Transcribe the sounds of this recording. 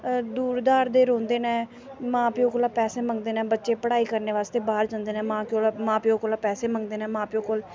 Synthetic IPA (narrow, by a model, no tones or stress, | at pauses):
d̪uːɾd̪aːɾd̪eːɾõːnd̪eːnɛ̃ː | mãːpiõːkːlaːpɛːseːmə̃ŋɡd̪eːnɛ̃ːbətːʃeːpəɽaːiːkəɾneːʋaːst̪eːbaːɾd͡ʒãːnd̪eːnɛ̃ːmãːkoːlamãːpioːkoːlaːpɛːseːməŋɡd̪eːnɛːmãːpioːkoːl